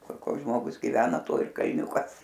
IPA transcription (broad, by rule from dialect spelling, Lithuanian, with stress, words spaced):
ˈkʊr ˈkoːks ˈʒmoːɡʊs ɡʲɪˈʋʲæːnɐ ˈtoː ɪr kɐlʲˈnʲuːkɐs